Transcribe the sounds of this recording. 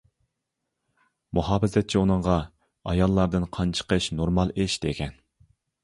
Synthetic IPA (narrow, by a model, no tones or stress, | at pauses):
muɦɑːfɪzɛt̪̚t͡ʃʰiunɨɴʁɑ | ɑjɑlˠːɑɾd̪ɨnqʰɑnt͡ʃʰə̥qʰəʃnoɾmɑlˠeʃd̪ekʲɛn